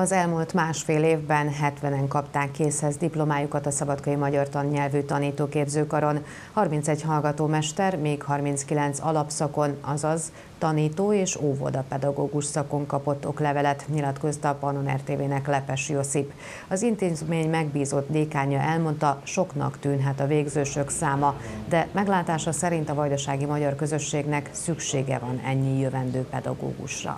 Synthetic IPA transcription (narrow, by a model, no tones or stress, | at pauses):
ɒzɛlmult̪maːʃfeːleːvbɛnɦɛt̪ʋɛnɛŋkɒpt̪aːŋkːeːshɛzd̪iplo̞maːjukɒt̪ɒsɒbɒt̪kɒimɒɟɒrt̪ɒnɲɛlvyt̪ɒniːt̪oːkeːbzøːkɒɾo̞n | hɒrmint̪sɛɟhɒlɡɒt̪oːmɛʃt̪ɛrmeːkhɒrminskilɛnt̪sɒlɒpsɒko̞nɒzɒz | t̪ɒniːt̪oːeːʃoːvo̰d̪ɒpɛd̪ɒɡoːɡuʃsɒko̞ŋkɒpo̞t̪ːo̞klɛvɛlɛt̪ɲilɒt̪ko̞st̪ɒpɒno̞nɛ̰rt̪eːveːnɛklɛpɛʃjo̞sip | ɒzint̪eːzmeːɲmɛɡbiːzo̞t̪d̪eːkaːɲɒʔɛlmo̞nt̪ɒʃo̞knɒ̰kt̪yːnɦɛt̪ɒveːɡzøːʃø̞ksaːmɒd̪ɛmɛɡlaːt̪aːʃɒsɛɾint̪ɒvɒjd̪ɒʃaːɡimɒɟɒrkø̞zø̞ʃːeːɡnɛksykʃeːɡɛ̰vɒnɛɲːijøvɛnd̪øːpɛd̪ɒ̰ɡo̰ːɡṵʃrɒ̰